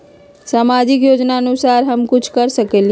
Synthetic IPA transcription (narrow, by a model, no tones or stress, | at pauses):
saːmaːd͡ʒɪk̬joːd͡ʒnaənʊsaːɾɦəmkʊt͡ʃʰkəɾsəkeli